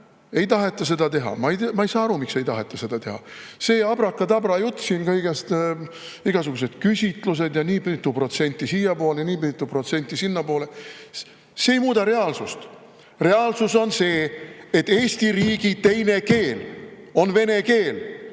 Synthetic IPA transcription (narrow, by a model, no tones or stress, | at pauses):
e̞jt̪ɑɦe̞t̪ːˑɑs̬e̞d̪ɑt̪e̞ɦɑ̰mɑejd̪mɑejsɑːɑɾumikse̞jt̪ɑɦe̞t̪ːˑɑse̞d̪̥ɑt̪e̞ɦɑ̰se̞ːɑb̥ɾɑkːˑɑt̪ɑb̥ɾɑjut̪ːˑsiːnkɤjɡ̥est̪ | iɡ̥ɑs̬uɡus̬e̞d̪̥̚kysʲit̪ˑlus̬e̞d̪jɑniːpt̪ːˑupro̞t̪se̞nʲt̪ʲːˑisiːjɑpo̞ːlejniːpit̪ːˑupro̞t̪se̞nʲt̪ːˑisinːɑpo̞ːle | seːjmuːd̪ɑɾe̞ɑlsust̪ | re̞ɑlsuso̞nse̞ːet̪ːˑeːsʲt̪iɾiːɡ̥it̪e̞jne̞ke̞ːl | o̞nve̞ne̞ke̞ːl